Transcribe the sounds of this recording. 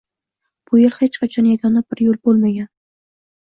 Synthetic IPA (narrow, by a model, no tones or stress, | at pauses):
b̥ʊjelˠhet͡ʃqʰat͡ʃʰɒnjaɡʲɒnab̥ɪɾjolˠbolˠmaɡʲan